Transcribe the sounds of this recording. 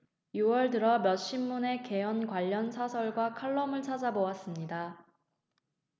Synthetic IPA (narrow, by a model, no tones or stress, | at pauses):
juwʌɭdɯɾʌmjʌɕ͈imːune̞ke̞ʌnkwaʎːʌnsʰasʰʌɭɡwakʰaɭːʌmɯɭt͡ɕʰad͡ʑabowas͈ɯmɲida